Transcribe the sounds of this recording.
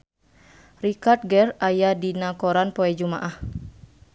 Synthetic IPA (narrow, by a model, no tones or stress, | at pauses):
rikart̪̚ɡɛrajadinakoɾanpoɛd͡ʒumaʔah